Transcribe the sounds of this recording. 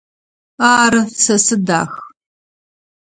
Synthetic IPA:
aːɾɐsɐsɨda̰ːx

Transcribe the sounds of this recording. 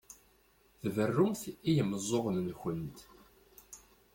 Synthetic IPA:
θvərːʊmθijəmːəzˤːoʁnnçənt̪

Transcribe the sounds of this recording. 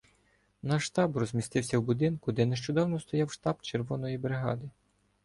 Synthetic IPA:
nɐʃt̪ɑbrɔzʲmʲist̪ɪwsʲɐwbʊd̪ɪnkʊd̪ɛneʃt͡ʃʊd̪ɑwnɔst̪ɔjɑwʃt̪ɑbt͡ʃerʋɔnɔjibɾɪɦɑ̰d̪ɪ

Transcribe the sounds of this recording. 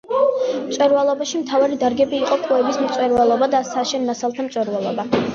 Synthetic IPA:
msʼwɛɾvalˠɔbaʃimt̪ʰavaɾid̪aɾɡɛbiːqʼɔkʼuɛbismt̪sʼwɛɾvalˠɔbad̪asaʃɛnnasalˠt̪ʰamt̪t͡ʃ̪ʼɛɾvalˠɔba

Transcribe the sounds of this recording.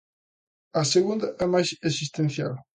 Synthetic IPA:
ɐseɣũnd̪ɐʔɛmajzesist̪ẽnθja̰l

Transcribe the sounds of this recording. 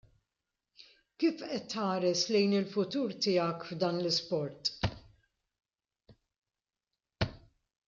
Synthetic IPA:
kiːfʔɛt̪ːhɐːɾɛslɛjnɪlfʊt̪uːɾt̪ɪjɐkvd̪ɐːnlɪspɔɾt̪

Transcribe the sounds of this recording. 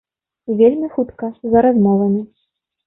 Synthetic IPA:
vʲelʲmʲixut̪kɐzɐɾazmɔvɐmʲi

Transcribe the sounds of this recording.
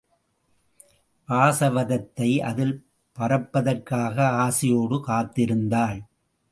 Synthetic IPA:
ʔaːsɐʋɐðɐt̪ːɐɪʔɐ̰ðɪl | pɐɾɐpːɐðɐrkaːɣɐaːsɪjoːɽɯkaːt̪ːɪɾɯnd̪aːl

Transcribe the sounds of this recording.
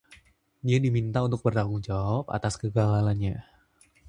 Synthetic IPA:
diadimint̪aunt̪ʊk̚bərlaɡuŋd͡ʒawapa̰t̪askəɡaalaɲa

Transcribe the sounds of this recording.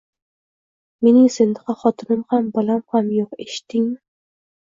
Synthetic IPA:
menɪŋsend̪ɨqʰɑχɑt̪ʰɨnɨmhæmbɑlˠɑmhæmjoqeʃɪ̥t̪ʰːɪŋmɪ

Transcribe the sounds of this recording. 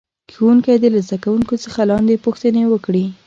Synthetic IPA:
kewuŋkajd̪elazd̪akawuŋkot͡səxalɑnd̪epuxt̪ənewəkɽi

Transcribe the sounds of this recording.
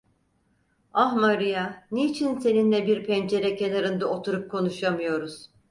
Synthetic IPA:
ahmaɾɯjaneːt͡ʃʰinse̞ninlʲɛbiɾpʰɛnd͡ʒe̞ɾɛcʰe̞naɾɯnd̪ao̞t̪ʰuɾup̚kʰo̞nuʃamɯjo̞ɾuz̥

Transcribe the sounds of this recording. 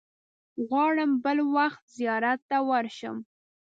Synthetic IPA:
ɣwɑɽəmbəlwaxt̪zijɑɾat̪ːawaɾʃə̰m

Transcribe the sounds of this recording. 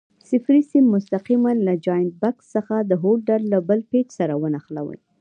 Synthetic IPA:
sɪfɾisimːʊst̪aqimanlad͡ʒɑjnbaksːəxad̪əɦolɖaɾːabəlpet͡ʃsaɾawənaxla̰wə̰j

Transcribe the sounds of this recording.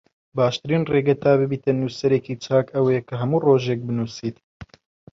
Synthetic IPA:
baːʃt̪ɨɾiːnreːɡɛt̪aːbɨbiːt̪ɨnːusɐɾeːkiːt͡ʃʰaːkɐwekʰɨɦɐmuːroːʒeːk̚bɨnuːsiːt̪

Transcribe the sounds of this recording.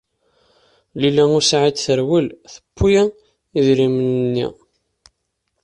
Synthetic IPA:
lilæŋʊsʕid̪θəɾwəlθə̥pʰːujæ | iðɾimnnːḭ

